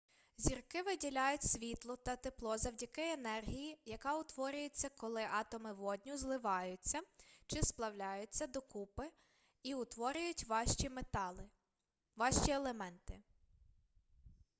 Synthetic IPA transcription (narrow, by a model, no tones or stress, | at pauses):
zʲirkɪʋɪdʲilʲajʊtʲsʲʋʲit̪lˠɔt̪ɐt̪eplˠɔzɐwdʲɐkɪenɛrɦʲijijɐkɑʊt̪ʋɔɾʲʊjet͡sʲːɐkɔlˠɪʔɑt̪ɔmɪʋɔdʲnʲʊzlˠɪʋɑjʊt͡sʲːɐt͡ʃɪsplˠɐwlʲajʊt͡sʲːɐd̪ɔkupɪ | iʊt̪ʋɔɾʲʊjʊtʲim | ʋɑʃt͡ʃʲielˠemɛnt̪ɪ